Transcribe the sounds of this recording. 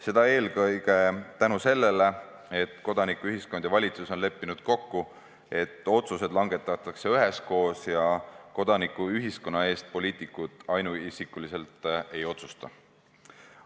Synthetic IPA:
se̞d̪ɑe̞ːlɡɤjɡ̥e̞t̪ænuse̞lːe̞le | e̞t̪ːˑko̞d̪̥ɑnikːˑuyɦisko̞nd̪̥evɑlʲit̪suso̞nle̞pːinud̪̥̚ko̞kːu | e̞t̪ːˑo̞t̪suse̞d̪lɑŋɡ̥e̞t̪ːˑɑt̪ːˑɑkse̞yɦe̞sko̞ːsjɑko̞d̪̥ɑnikːˑuyɦisko̞nːɑe̞ːst̪̚po̞lʲiːt̪ˑikːˑud̪̥ɑjnuisikːˑulise̞lt̪e̞jo̞t̪su̥st̪ɑ

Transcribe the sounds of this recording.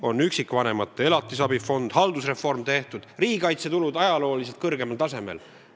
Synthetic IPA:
o̞nːyksikːˑvɑne̞mɑt̪ːˑee̞lɑt̪ːˑisɑbifo̞nd̪̥hɑld̪usre̞fo̞rmt̪e̞ht̪ud̪̥riːɡikɑjt̪se̞t̪ulud̪̥ɑjɑlo̞ːlis̬e̞lt̪̚kɤrɡ̥e̞mɑlt̪ɑse̞me̞̰l

